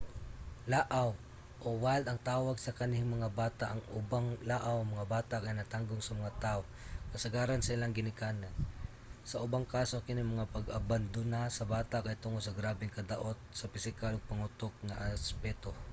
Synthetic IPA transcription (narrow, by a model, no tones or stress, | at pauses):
laʔaw | ʔowald̪ɐŋt̪aːwaɡsɐkɐnɪŋmɐŋabaːt̪aʔɐŋʊbaŋlaʔawɐŋmɐŋabaːt̪akajnɐt̪aŋɡoŋsɐmɐŋat̪aʔo | kɐsɐɡaːɾansɐɪlaŋɡɪnɪkaːnan | sɐʔʊbaŋkaːsokɪnɪmɐŋapɐɡɐband̪ʊnasɐbaːt̪aʔkɐjt̪ʊŋod̪sɐɡɾaːbɪŋkɐd̪aʔot̪̚sɐpɪsɪkaloɡ̚pɐŋʊt̪ok̚ŋaʔaspɛt̪o